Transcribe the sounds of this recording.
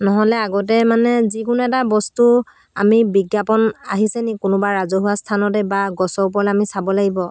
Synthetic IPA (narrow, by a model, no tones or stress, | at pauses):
nɔɦɔlɛaɡɔtɛmanɛzikʊnuɛtabɔstu | a̰mibiɡjapɔna̰ɦisɛnikʊnʊbaɹɹazɔɦuwastʰanɔtɛbaɡɔsɔp̬ɔɹalɛamisabɔlaɡibɔ